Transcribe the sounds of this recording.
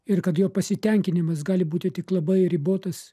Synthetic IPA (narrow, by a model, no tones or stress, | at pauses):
ɪɾkɐt̪joːpɐsʲɪt̪ʲɛŋʲkʲɪnʲɪmɐsɡɑːlʲɪbuːt̪ʲɪt̪ʲɪklˠɐbɐɪɾʲɪboːt̪ɐs